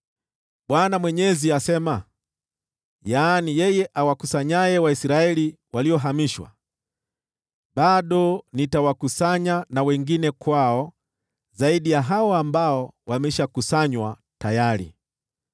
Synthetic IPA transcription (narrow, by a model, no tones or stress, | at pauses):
ɓwanamwɛɲɛziasɛma | jaːnijɛjɛʔawakusaɲajɛwaisiɾaɛli | waliɔɦamiʃwa̰ | ɓaɗɔnitawakusaɲanawɛŋɡinɛkwaɔ | zaiɗijaɦaɔambaɔwamɛʃakusaɲwa | tajaɾḭ